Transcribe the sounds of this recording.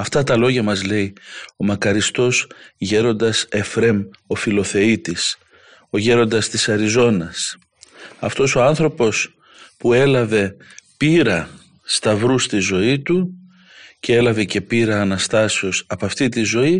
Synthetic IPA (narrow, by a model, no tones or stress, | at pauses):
ɐft̪ɐt̪ɐlo̞ʝɐmɐzle̞io̞mɐkɐɾist̪o̞sʝe̞ɾo̞nd̪ɐse̞fɾe̞mo̞filo̞θe̞it̪is | o̞ʝe̞ɾo̞nd̪ɐst̪isɐɾizo̞nɐs | ɐft̪o̞so̞ɐnθɾo̞po̞s | pue̞lɐve̞ | piɾɐ | st̪ɐvɾust̪izo̞it̪u | cee̞lɐve̞ce̞piɾɐːnɐst̪ɐseo̞sɐpɐft̪it̪izo̞i